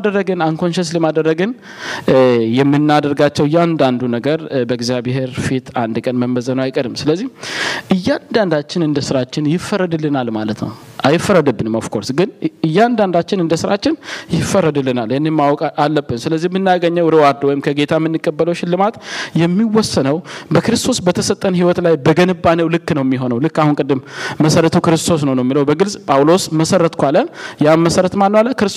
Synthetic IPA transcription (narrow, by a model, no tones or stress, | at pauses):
ad̪əɾːəɡɨnaŋkʰo̞nʃəsləmad̪əɾːəɡɨn | jɛmːɨnːad̪əɾɡat͡ʃːɛwɨjːand̪and̪unəɡəɾbəɡzjaβeɦeɾfit̪and̪kʼənməmːəzənəwajkʼəɾɨmsɨləzːihʔɨjːand̪and̪at͡ʃːɪnɨnd̪əsɨɾat͡ʃːɪnjɪfːəɾəd̪ɨlːɨnalmalət̪nə̰w | ʔajɪfːərːəd̪əbːɨnməfkʰo̞ɾsɡɨnɨjːand̪and̪at͡ʃːɪnɨnd̪əsɨɾat͡ʃːɪnjɪfːəɾəd̪ɨlːɨnaljɛnːemːawɔkʼalːəbːɨnsɨləzːihmɨnːaɡəɲːəwɔd̪əwaɾd̪wɔjɪmkʰəɡe̞t̪ʰamːɨnːɨkʼːəbːələwʃɪlːɨmat̪jɛmːiwɔsːənəwbəkɨɾɨst̪ʰo̞sbət̪ʰəsət̪ʼːənɦiwɔt̪lajbəɡənɨbːanəwlɨkːnəwjɛmːiɦo̞nəwlɨkːahunkʼɨd̪ːɨmːəsəɾət̪ʰukɨɾɨst̪ʰo̞s̬nəwnəwɛmːiləwbəɡɨlsʼpʼawlo̞sməsəɾət̪kʷaləjaməsəɾət̪manːəwaləkɨɾɨs